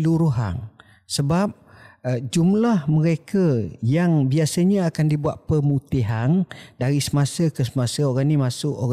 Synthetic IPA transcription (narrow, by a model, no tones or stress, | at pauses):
luɾuɦa̰n | səbap̚d͡ʒumlahməɾekəjaŋbiasəɲaakandibuaʔ̪̚pəmut̪iɦandaɾisəmasəkəsəmasəoɾanimasʊʔo